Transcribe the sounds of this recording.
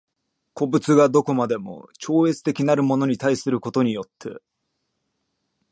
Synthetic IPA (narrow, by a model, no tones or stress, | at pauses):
ko̞bɯ̟t͡sɨɡad̪o̞ko̞mad̪e̞mo̞̰t͡ɕo̞ːe̞t͡sɨ̥t̪e̞kʲinaɾɯ̟mo̞no̞ɲ̟it̪aisɨɾɯ̟ko̞t̪o̞ɲ̟ijo̞t̪ʰːe̞̰